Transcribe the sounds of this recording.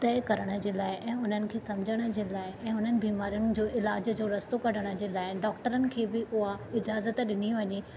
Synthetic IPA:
t̪ɐːɪkɐɾəɽ̃ə̆d͡ʑeːlaːɪʔɛ̃ːʊn̤ənɪ̆kʰeːsɐmd͡ʑʱəɽ̃ə̆d͡ʑeːlaːɪɛ̃ːʊn̤ənɪ̆biːmaːɾijʊɽ̃ɪ̆d͡ʑoːʔɪlaːd͡ʑd͡ʑoːɾɐst̪okɐɾəɽ̃ə̆d͡ʑeːlaːɪɖɔːk̚ʈəɾənɪ̆kʰeːbɪʔʊɦaɪd͡ʑaːzət̪ɗɪniʋɐɲeː

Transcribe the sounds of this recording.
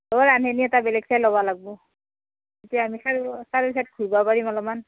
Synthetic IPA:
oɹanɦeniɛtabɛlɛɡsajlɔβalaɡ̚bɔ | etijaːmixaɹsaɹisat̚ɡʰʱuɹbapaɹimalɔman

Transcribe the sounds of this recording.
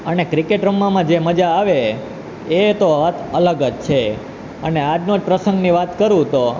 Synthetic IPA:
ənekɾikeʈɾəmːamãd͡ʒeməd͡ʒaːʋeː | t̪oat̪ələɡəd͡ʒt͡ʃʰe | ənead͡ʒnod͡ʒpɾəsə̃ŋɡniʋat̪kəɾũt̪o

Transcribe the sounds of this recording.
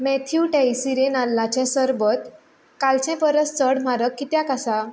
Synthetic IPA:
mɛt̪ʰijuʈajsiɾenalːat͡ɕãsəɾbət̪ | kalt͡ɕɛ̃pəɾəst͡səɽm̤aɾəkːit̪jãkasa

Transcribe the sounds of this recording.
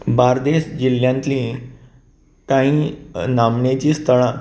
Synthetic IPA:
baɾd̪eɕd͡ʑiljãnt̪lĩ | t̪aĩnamnet͡ɕiːst̪ʰəɭa

